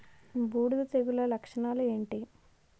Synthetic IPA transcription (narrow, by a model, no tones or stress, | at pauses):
buːɽud̪ɐt̪eɡulɐlɐkʂɐɳaːlue̞ːɳʈi